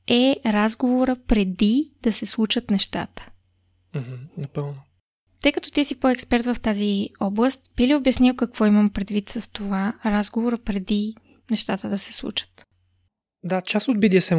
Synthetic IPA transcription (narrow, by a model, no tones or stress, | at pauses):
ɛɾazɡovoɾəpɾɛd̪id̪̥ɐsɛslˠut͡ʃət̪nɛʃt̪a̰t̪ə̥ | m̩ɦm̩nɐpəlˠno | t̪ɤjkət̪ɔ̥t̪isipoɛkspɛɾt̪vɐft̪aziɔblˠəst̪b̥iliobjɐsniwˠkɐkvɔiməmpɾɛd̪vit̪sɐst̪ovaɾazɡovoɾəpɾɛd̪i | nɛʃt̪at̪əd̪ɐsɛ̥slˠṵt͡ʃə̥t̪ | d̪at͡ʃast̪od̪̚bid̪iəsɛ